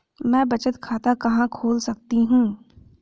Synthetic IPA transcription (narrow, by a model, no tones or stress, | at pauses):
mɛ̃ːbɐt͡ʃət̪kʰaːt̪akɐɦãkʰoːlsɐk̚t̪iɦũː